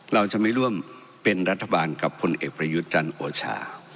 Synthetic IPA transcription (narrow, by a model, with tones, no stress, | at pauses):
ɾa˧wt͡ɕa˨˩ʔma˥˩jɾu˥˩əm | pe˧nɾa˦˥t̪ʰːa˧baː˧nka˨˩pʰːo˧nʔeː˨˩k̚pɾa˧ju˦˥t̪̚t͡ɕa˧nʔoː˧t͡ɕʰa̰ː˧